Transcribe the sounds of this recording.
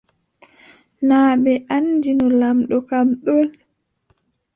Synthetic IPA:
naːɓɛʔand͡ʒinɔlamɗɔkamɗɔl

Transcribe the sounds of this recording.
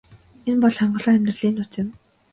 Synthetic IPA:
enpɔɮχaɴɢɞ̆ɮɔːæmʲt̪rə̆ɮiːnːʊt͡sɪ̆m

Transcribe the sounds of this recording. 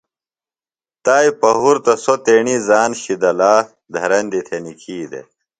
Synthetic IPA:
t̪aːjpɐɦuɾt̪ɐsot̪eːɳizaːnɕid̪ɐlaː | d̪ʱɐɾɐnd̪it̪ʰenikʰiːd̪ḛ

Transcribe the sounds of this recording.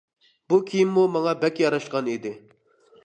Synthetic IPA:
bukʲʰijimːumɑŋɑbɛkʲjɑɾɑʃqɑnid̪ɪ

